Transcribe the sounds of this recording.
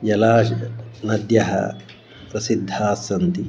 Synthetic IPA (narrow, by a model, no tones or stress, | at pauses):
jɐlaːʃnɐd̪jɐɦɐ̰ | pɾɐsid̪ʱːaːsɐnt̪i